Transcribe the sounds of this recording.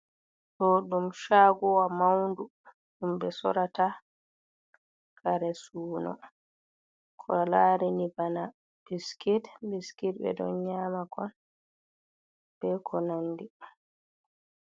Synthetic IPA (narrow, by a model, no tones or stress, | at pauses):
ɗɔɗumʃaːɡɔwamawndu | ɗumbɛsɔ̰ɾata | kʰaɾɛsuːnɔ̰ | kʰɔlaːɾinibana | b̥iskitbiskit̚bɛ̰dɔ̰ɲaːmakɔn | b̥ɛkʰɔnanːdi